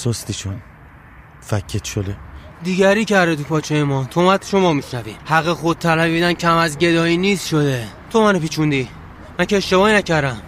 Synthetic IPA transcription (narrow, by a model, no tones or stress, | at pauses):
sost̪it͡ʃʰon | fækʰːet̪ʃod̪ed̪iɟæɾiːcʰæɾd̪et̪ʰupʰɒːt͡ʃʰejemɒːt̪ʰomæd̪ʃomɒːmiʃnæviːhæɣexod̪̚t̪ʰælævid̪æncʰæmæzɟe̞d̪ɒːiːniːst̪ʃod̪e | t̪ʰomænopiːt͡ʃʰund̪iː | mænceːʃt̪e̞bɒːinæcæɾd̪æm